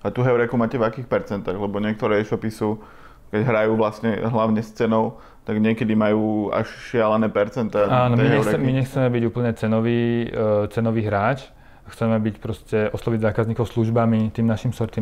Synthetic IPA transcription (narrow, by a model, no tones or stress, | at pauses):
at̪uɦɛʊɾɛkumaːcɛvakiːxpɛɾt͡sɛnt̪aɣlɛbɔɲɪɛk̚t̪ɔɾɛːɛʃɔpisu | kɛɟɦɾajuːʋlasɲɛɦlaʊɲɛst͡sɛnɔʊ | t̪aɡɲɪɛkɛd̪imajuːa̰ʃʃɪalanɛːpɛɾt͡sɛnt̪aaːnɔɛiɦɲɛɾɛɛmiɲɛxt͡sɛmɛbiɟuːpl̩ɲɛt͡sɛnɔʋiːt͡sɛnɔʋiːɦɾaːt͡ʃ | xt͡sɛmɛbicpɾɔscɛɔslɔʋiɟzaːkazɲiːkɔʊsluʒbamit̪iːmnaʃimsɔɾt̪i